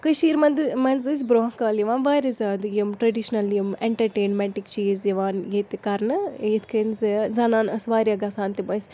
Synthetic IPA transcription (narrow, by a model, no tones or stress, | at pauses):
kɐʃiːɾmɐnd̪ɨmɐnzɨs̬ʲbɾoːkaːljiʋaːnʋaːjɾizaːd̪jimʈɾɐɖiʃnɐljimeɳʈɐɾʈeːnmɛɳʈikt͡ʃiːzjɐʋaːnjet̪ikɐɾnɨjet̪ʰkʰɐnzɐzɐnaːnɐsʋaːɾʲjɐɡɐsaːnt̪imɐsʲ